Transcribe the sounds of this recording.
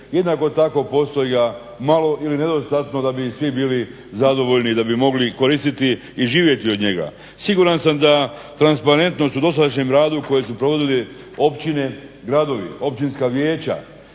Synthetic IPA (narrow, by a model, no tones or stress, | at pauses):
je̞d̪nako̞t̪ako̞po̞st̪ojiɡa | malo̞ʔiline̞d̪o̞st̪at̪no̞d̪abisʋibiːli | zad̪o̞ʋo̞ʎnid̪abimo̞ɡliko̞ɾist̪it̪i | iʒiːʋje̞t̪iod̪ɲe̞ɡa̰ | siɡuɾansamd̪at̪ɾanspaɾe̞nt̪no̞st̪ud̪o̞s̬ad̪aʃɲemɾaːd̪uko̞je̞supɾo̞ʋo̞d̪ili | opt͡ɕine̞ɡɾad̪o̞ʋḭo̞pt͡ʃinskaʋje̞ːt͡ɕa̰